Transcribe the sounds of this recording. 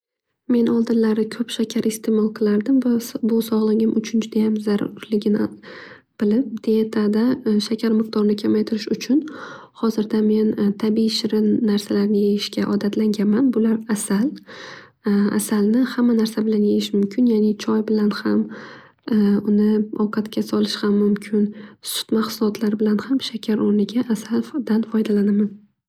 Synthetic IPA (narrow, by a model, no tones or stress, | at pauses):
me̞nʔɒlˠd̪ɪnlaɾɪkʰɵpʃakʲʰaɾɪst̪ʰe̞mɒlˠqʰɨlˠaɾd̪ɪmvabʊsɒʁlˠaɡʲɪmʔʊt͡ʃʰʊnt͡ʃʰɪd̪ajamzaɾʊ̰ɾlɪɡʲɪn | b̥ɪlɪp̚d̪̥eet̪ʰad̪aʃakʲʰaɾmɨq̚d̪ɒɾnɪkʲʰamajt̪ʰɪɾɪʃʊt͡ʃʰʊn | hɒzɪɾd̪ame̞nt̪ʰabiʃɪɾɪnnaɾsalaɾnɪjejɪʃkʲaʔɒd̪at̪ʰlaŋɡʲanmanbʊlaɾasal | a̰salnɪhamːanaɾsabɪlanjejɪʃmʊmkʲʰɪnjanɪt͡ʃʰɒjbɪlanham | ʊnɪɒwqʰɑt̪kʲʰasɒlˠɪʃhamːʊmkʲʰɪnsʊ̥t̪maχsʊlˠɒt̪ʰlaɾɪbɪlanhamʃakʲʰaɾoɾnɪɡʲaʔːsald̪anfɒjd̪alanaman